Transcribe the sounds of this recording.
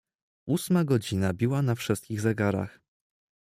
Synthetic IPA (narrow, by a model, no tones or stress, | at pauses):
ʔusmaɡɔd͡ʑinabʲiwanafʂɘst̪kʲiɣzɛɡaɾa̰x